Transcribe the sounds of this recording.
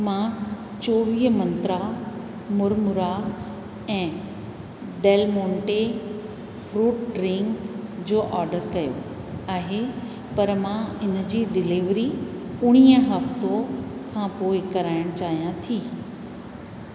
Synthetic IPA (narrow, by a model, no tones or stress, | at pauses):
mã | t͡ɕoːʋiːɦmɐ̃nt̪ɾa | mʊɾmʊɾa | ɛ̃ː | ɖeːlmõːɳʈe | fɾuːʈɖɾɪ̃ŋkd͡ʑoːʔɔːɾɖəɾkɐjo̰ | aːɦe | pɐɾmãɪn̆d͡ʑiːɖɪliʋɾiʊɽ̃iːəɦɐft̪okʰãːpoːɪkɐɾaːɪɽ̃t͡ɕaːɦijãt̪ʰiː